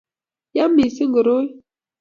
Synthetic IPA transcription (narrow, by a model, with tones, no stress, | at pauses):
ja˦mi˨si˦ŋɡə˨ɾo˦j